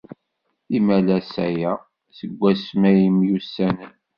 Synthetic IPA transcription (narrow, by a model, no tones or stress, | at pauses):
imælæsæjæ | səɡʷːæsmæjəmjusːænən